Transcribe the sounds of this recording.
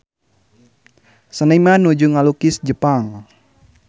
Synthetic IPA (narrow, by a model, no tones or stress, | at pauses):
sənəimanud͡ʒuŋalukisd͡ʒəpaŋ